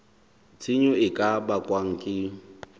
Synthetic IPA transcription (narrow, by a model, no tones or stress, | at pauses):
t͡sʰʼɪɲʊɪkʼabakʼwaŋ̩kʼɪ